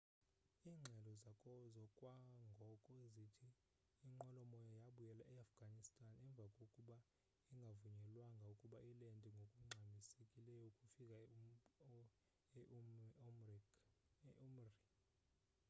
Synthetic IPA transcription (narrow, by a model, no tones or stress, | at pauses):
iːŋ͡ǁʱɛlɔzakʼɔzɔkʼwaŋɡʱɔkʼɔezitʰiː | ŋ͡ǃʱɔlɔmɔjɔjaɓujɛlaʔɛafɡ̥ʱanistʼanɛɱb̪vʱakʼokʼuɓa | iŋɡʱavuɲɛlwaŋɡʱaukʼuɓaʔilendʼʱiŋɡʱokʼuŋ͡ǀʱamisekʼilɛjɔukʼufikʼa | umri